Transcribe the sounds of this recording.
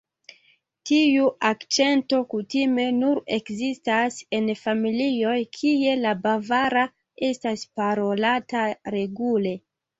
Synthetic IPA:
tiuʔakt͡ʃe̞nto̞kutime̞nuɾe̞kzistase̞nfamilio̞jkʰie̞labavaɾa | e̞staspaɾo̞lataɾe̞ɡule̞

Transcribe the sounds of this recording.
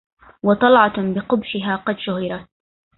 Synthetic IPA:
wɑt̪ˤɑlʕɑbɪqʊbʃɪɦaːqɑd̪ʃʊhɪɾɑt̪̚

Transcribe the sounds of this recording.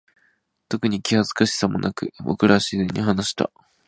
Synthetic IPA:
t̪o̞kɯ̟ɲ̟ikʲihazɨ̥kaɕi̥samo̞̰nʔakɯ̟bo̰kɯ̟ɾaɕizeɲ̟iɦanaɕi̥t̪a̰

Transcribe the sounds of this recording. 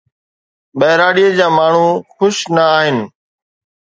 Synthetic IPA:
bɐɦɾaːɽiːəd͡ʑaːmaːɳ̤ũxʊʃnəaːɦɪnɪ̆

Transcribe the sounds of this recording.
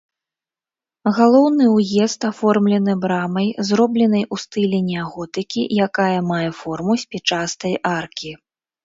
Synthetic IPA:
ɣalˠɔwnɨwjɛst̪afɔrmlʲɛnɨbɾamɐjzrɔblʲɛn̪ɐjʔust̪ɨlʲɛnʲɛaɣɔt̪ɨkʲijakajɐmajɛfɔrmusʲpʲɛt͡ʂast̪ɐjʔarkʲi

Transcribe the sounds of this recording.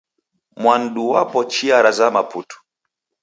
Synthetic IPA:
mwan̩ɗuwapɔt͡ʃiaɾazamaputu̥

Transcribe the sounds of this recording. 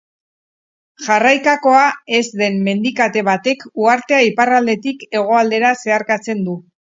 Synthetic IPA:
ʝarajkako̞ae̞zd̪e̞mme̞nd̪ikat̪e̞β̞at̪e̞kuaɾt̪e̞aiparald̪e̞t̪ike̞ɣ̞o̞ald̪e̞ɾase̞aɾkat͡se̞nd̪u

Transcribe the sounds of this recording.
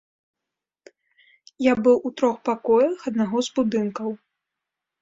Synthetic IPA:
jabɨwʔut̪ɾɔxpakɔjɐxɐd̪̚naɣɔzbud̪ɨnkɐw

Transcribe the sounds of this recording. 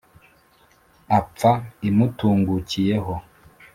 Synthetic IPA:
ap͡faimutuːŋɡucijeɦo

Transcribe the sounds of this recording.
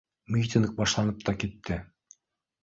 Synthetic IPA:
mʲit̪ʲɪnk̚bɑʃlˠɑnɤp̚t̪ɑkit̪ːɘ

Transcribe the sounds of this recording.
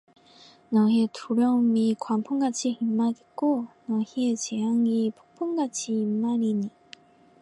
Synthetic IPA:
nʌɦetʰuɾjʌmikwampʰuŋɡat͡ɕʰiimːaɡek͈onʌhiet͡ɕejaŋipʰuk̚pʰuŋɡat͡ɕʰiimːaɾiɲi

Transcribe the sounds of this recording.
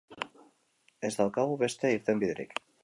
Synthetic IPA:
ezt̪alkaβuβest̪eiɾt̪embiðɾḭk

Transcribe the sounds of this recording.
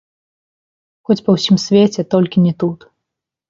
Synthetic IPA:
xɔt͡sʲpɐwsʲimsʲvʲet͡sʲɛt̪ɔlʲkʲinʲɛt̪ut̪

